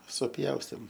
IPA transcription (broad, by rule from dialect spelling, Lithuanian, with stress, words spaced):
sʊˈpʲjɛʊsʲtʲeːm